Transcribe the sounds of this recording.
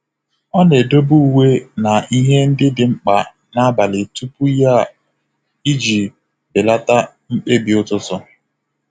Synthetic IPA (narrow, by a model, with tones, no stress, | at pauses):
ɔ˦ne˨do˦bu˦u˨we˦na˨i˦ɦe˦n̩˦dɪ˦dɪ˨ŋ͡m̩˦k͡pa˨ | na˦ba˨lɪ˨tu˦pu˦ja˦ | i˦d͡ʒi˨ | bɪ˨la˦ta˦ | ŋ͡m̩˦k͡pe˦bi˨ʊ˦tʊ˦tɔ˦